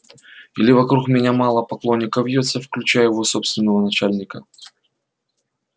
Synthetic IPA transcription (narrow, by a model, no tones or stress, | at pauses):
ilʲɪvɐkɾukmʲɪnʲamalˠəpɐklˠo̞nʲːɪkəvʲjot̪səfklʲʉt͡ɕæjjɪvo̞so̞pst̪vʲɪnːəvənɐt͡ɕælʲnʲɪkə